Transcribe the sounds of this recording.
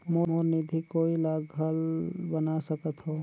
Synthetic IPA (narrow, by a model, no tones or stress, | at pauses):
mooːɾnid̪ʱikoːilaːɡɡəlbənasəkət̪ɦoː